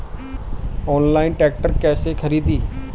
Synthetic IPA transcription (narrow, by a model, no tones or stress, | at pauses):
ɔːnlaːɪnʈɛːk̚ʈəɾkɛːsekʰəɾiːd̪iː